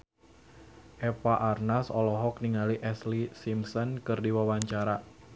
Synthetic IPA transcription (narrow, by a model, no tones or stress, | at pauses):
ʔɛpaʔarnasɔlɔɦɔk̚niŋaliʔɛslisimsɔnkɨrdiwawaɲt͡ʃaɾa